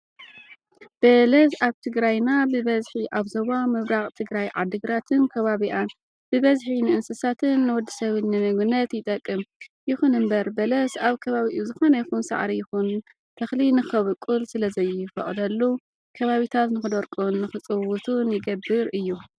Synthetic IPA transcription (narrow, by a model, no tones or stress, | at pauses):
b̥ɐlɐsaβt̪ʰɨɡɾajnabɨβɐzħiʔaβzoβamɨβɾaχʼt̪ʰɨɡɾajʕa̰d̪ɨɡɾat̪ʰɨnkʰɐβaβiʔan | bɨβɐzħinɨʔɨnsɨsat̪ʰɨnːɨwɔd̪ːisɐβɨnːɨmɨɡnɐt̪jɪt̪ʼɐkʼːɨmjɪxunɨmbɐɾbɐlɐsaβkʰɐβaβiʔuzɨxo̞nɐjɪxunsa̰ʕɾijɪxun | t̪ʰɐxlinɨxɐβɨkʼːulsɨlɐzɐjɪfɐ̰χʼd̪ɐlːu | kʰɐβaβit̪ʰat̪nɨxɨd̪oɾkʼunːɨxɨt͡sʼɨwut̪ʰunjɪɡɐbːɨɾʔɨjːu